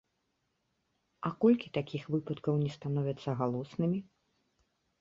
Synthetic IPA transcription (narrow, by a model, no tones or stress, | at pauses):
ɐkɔlʲkʲit̪akʲixvɨpɐt̪kɐwnʲɛst̪anɔvʲɛt̪sːɐɣalˠɔsnɨmʲi